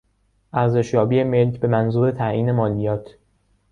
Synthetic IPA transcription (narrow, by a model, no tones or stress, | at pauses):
ʔæɾze̞ʃjɒːbiːeme̞lcʰbe̞mænzuːɾe̞t̪ʰæʔʔiːne̞mɒːlijɒːt̪ʰ